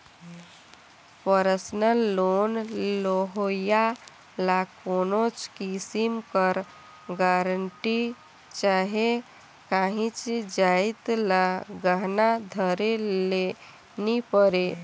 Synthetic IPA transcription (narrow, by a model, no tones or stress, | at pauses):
pəɾəsnəlːonloɦoja | lakonot͡ʃkisimkəɾ | ɡaɾəɳʈi | t͡ʃaɦe | kãɦĩt͡ʃd͡ʒait̪laɡəɦnad̪ʱəɾele | nipəɾe